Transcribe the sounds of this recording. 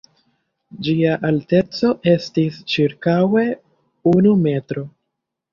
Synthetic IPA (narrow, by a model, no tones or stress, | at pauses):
d͡ʒiaʔalte̞t͡so̞ʔe̞stist͡ʃiɾkawe̞ | unume̞tɾo̞